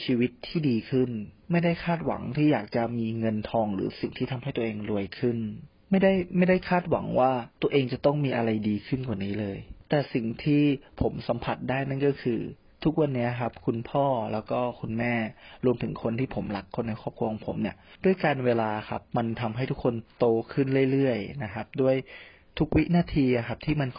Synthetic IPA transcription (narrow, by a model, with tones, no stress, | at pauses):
t͡ɕʰiː˧wi˦˥t̪ʰːiː˥˩diː˧kʰɯ˥˩nma˥˩jda˥˩jkʰaː˥˩t̪̚wa̰˩˦ŋt̪ʰiː˥˩jaː˨˩k̚t͡ɕa˨˩miː˧ŋɤ˧nt̪ʰɔː˧ŋɾɯ̰ː˩˦si˨˩ŋt̪ʰiː˥˩t̪ʰa˧mɦa˥˩jt̪u˧ʔeː˧ŋɾu˧əjkʰɯ˥˩n | ma˥˩jda˥˩jma˥˩jda˥˩jkʰaː˥˩t̪̚wa̰˩˦ŋwaː˥˩t̪u˧ɐʔeː˧ŋt͡ɕa˨˩t̪ɔ˥˩ŋmiː˧ʔa˧ɾa˧jdiː˧kʰɯ˥˩nkwaː˨˩niː˦˥lɤː˧jt̪ɛː˨˩si˨˩ŋt̪ʰiː˥˩pʰo˩˦msa˩˦mpʰa˨˩t̪̚daː˥˩jna˥˩nkɔː˥˩kʰɯː˧ | t̪ʰu˦˥k̚wa˧nːi˦˥kʰa˦˥p̚kʰu˧npʰɔː˥˩lɛː˦˥wkɔː˥˩kʰu˧nmɛː˥˩ɾu˧əmt̪ʰɯ˩˦ŋkʰo˧nt̪ʰiː˥˩pʰo˩˦mla˨˩kʰːo˧nːa˧jkʰɔː˥˩p̚kʰu˧əkʰo˧ŋpʰo̰˩˦mni˥˩ɐdu˥˩əjkaː˧nweː˧laː˧˩kʰa̰˦˥p̚ma˧nt̪ʰa˧mɦa˥˩jt̪ʰu˦˥kʰːo˧nt̪oː˧kʰɯ˥˩nɾɯ˥˩əjlɯ˥˩əjna˦˥kʰa˦˥p̚du˥˩əj | t̪ʰu˦˥k̚wi˦˥naː˧˥˩t̪ʰiː˧ʔa˨˩kʰa˦˥p̚t̪ʰiː˥˩ma˧n